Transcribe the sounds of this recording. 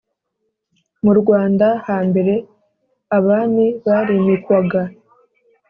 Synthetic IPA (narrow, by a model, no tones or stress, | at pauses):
muɾɡwaːndahaːmbe̞ɾe̞ | aβaːniβaɾimikwaɡa